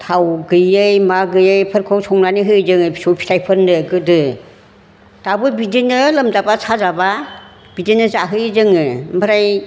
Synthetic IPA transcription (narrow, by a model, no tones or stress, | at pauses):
tʰawɡɯjɯjmaɡɯjɯjpʰɯɾkʰɔwsʰɔŋnaniɦɯjzɯŋɯisɔpʰi̥tʰajpʰɯɾndɯɡɯdɯ | tabɯbidinɯlɯmdabasʰazaba | b̥idinɯzaɦɯjzɯŋɯmɯɾaj